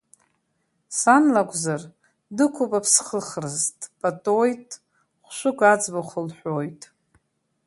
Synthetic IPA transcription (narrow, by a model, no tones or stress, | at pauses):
sanlakʷʼzar | dɨkʷʰupʼapʰsχəχrɨztʼpʼatʼojtʼ | χʷʃʷʊkʷʼad͡zbaχəlħʷᶣojtʼ